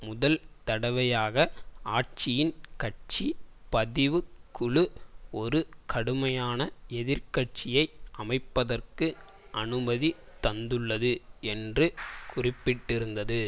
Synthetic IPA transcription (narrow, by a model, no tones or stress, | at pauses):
mʊðɐlt̪ɐɽɐʋɐjaːɣɐaːʈ̚t͡ʃɪjɪnkɐʈ̚t͡ʃipɐðɪʋɯkːʊɭɯɔɾɯkɐɽɯmɐjaːnɐɛðɪɾkɐʈ̚t͡ʃɪjɐɪʔɐmɐɪpːɐðɐrkɯ | ɐnɯbɐðit̪ɐnd̪ɯɭːɐðɯɛndrɯkʊrɪpːɪʈːɪɾɯnd̪ɐðɯ